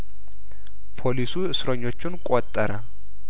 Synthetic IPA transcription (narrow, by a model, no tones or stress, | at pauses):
pʰo̞lisuɨsɾoɲːo̞t͡ʃːɪnkʼot̪ʼːəɾə